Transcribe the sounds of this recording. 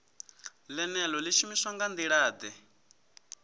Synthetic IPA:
lɛnɛlɔliʃumisaŋɡand̪iɺaːd̪ɛ

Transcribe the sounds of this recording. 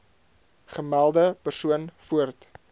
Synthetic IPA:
χəmælˠdəpərsuənfuərt

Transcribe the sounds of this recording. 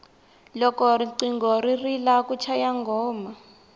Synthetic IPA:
lɔkɔriǀiŋɡɔririlakut͡ʃʰajaŋɡʱɔːma

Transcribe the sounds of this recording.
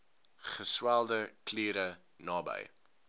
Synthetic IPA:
χəswælˠdəkliːɾə | nɑːbə̰j

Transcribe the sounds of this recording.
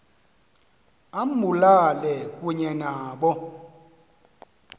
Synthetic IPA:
am̩mulalɛkʼweɲɛnaːɓɔ

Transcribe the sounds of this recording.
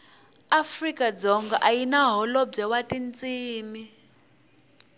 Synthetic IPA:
afrikad͡zɔŋɡaʔajinaɦɔlɔb͡ʐɛwatint͡sʼiːmi

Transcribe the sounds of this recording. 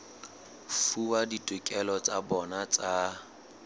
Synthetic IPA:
fuwaditʼʊkʼɛlɔt͡sʼabɔnat͡sʼa

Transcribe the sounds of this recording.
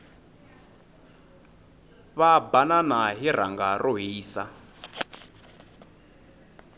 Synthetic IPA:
βabananaɦir̤aŋɡarʔɔɦiːsa

